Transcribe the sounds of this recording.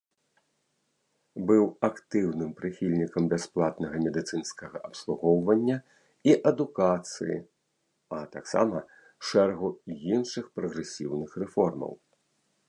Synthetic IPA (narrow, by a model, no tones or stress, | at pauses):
bɨwakt̪ɨwnɨmpɾɨxʲilʲnʲikɐmbʲɛsplˠat̪nɐɣɐmʲɛd̪ɨt̪sɨnskɐɣɐʔɐpslˠuɣɔwvɐnʲːɐ | iʔɐd̪ukat̪sɨ̰jḭ | ɐt̪a̰ksa̰mɐ | ʂɛɾɛɣuinʂɨxpɾɐɣɾɛsʲḭwnɨxrɛfɔrmɐ̰w